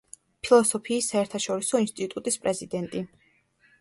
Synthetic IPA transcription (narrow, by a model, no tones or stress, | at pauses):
pʰilˠɔsɔpʰiːsːaɛɾt̪ʰaʃɔɾisɔinst̪ʼit̪ʼut̪ʼispʼɾɛzid̪ɛnt̪ʼi